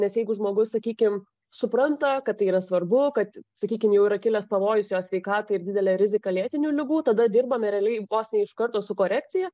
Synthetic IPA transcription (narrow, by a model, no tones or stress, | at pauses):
nʲɛsjɛɪɡʊʒmoːɡʊssɐkʲiːkʲɪm | sʊpɾɐnt̪ɐkɐt̪t̪ːɐɪiːɾɐsʋɐrbʊkɐt̪sɐkʲiːkʲɪmjɛʊiɾɐkʲɪlʲɛspɐʋoːjʊsjoːsʲʋʲɛɪkɑːt̪ɐɪrd̪ʲɪdʲɛlʲɛɾʲɪzʲɪkɐlʲiɛt̪ʲɪnʲuːlʲɪɡuːt̪ɐd̪ɐd̪ʲɪrbɐmʲɛɾʲɛːlʲɛɪboːsʲnʲeɛɪɪʃkɐrt̪oːsʊkoːɾʲæːk̚tt͡s̪ʲɪjɛ